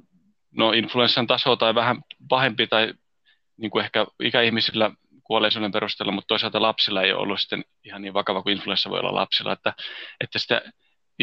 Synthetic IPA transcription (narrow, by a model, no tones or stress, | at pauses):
noinfluensːɑnt̪ɑsoːt̪ɑiʋæhæmpɑhempit̪ɑi | niːŋkuehkæḭkæihmisilːæ | kuoleisonːempeɾust̪eːlːɑmut̪t̪oisɑlt̪ɑlɑpsilːɑḛjo̰ʔo̰lːusi̥t̪ːen | ihɑnniːʋʋɑkɑʋɑkuinfluensːɑʋo̰io̰lːɑ̰lʔɑ̰psilːˑɑ̰et̪ːæet̪ːæsi̥t̪æ̰